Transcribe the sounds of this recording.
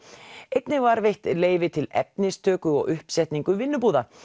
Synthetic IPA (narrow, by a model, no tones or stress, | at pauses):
ejt̪nɪvaɾvejht̪leːjvɪt̪ʰɪlɛ̰p̚nɪst̪ʰœːkʏɔ̰ɣʏhpsɛht̪niŋkʏvɪnːʏpuːða